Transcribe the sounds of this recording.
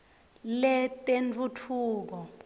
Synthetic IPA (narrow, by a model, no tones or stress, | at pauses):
lɛtʼent͡fʰutʰuːk̬ɔ